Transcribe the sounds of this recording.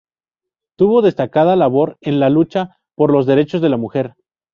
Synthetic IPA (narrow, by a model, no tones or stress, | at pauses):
t̪uβo̞ðe̞st̪akað̞alaβo̞ɾe̞nlalut͡ʃa | po̞ɾlo̞zðe̞ɾe̞t͡ʃo̞zðe̞lamuxe̞ɾ